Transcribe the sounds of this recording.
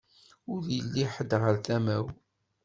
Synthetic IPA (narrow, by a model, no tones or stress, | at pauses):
ʊðjəlːiħəd̪ʁəɾθæmæw